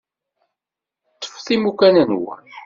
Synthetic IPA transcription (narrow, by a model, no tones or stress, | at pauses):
t̪ːə̥fθimukænənwæ̰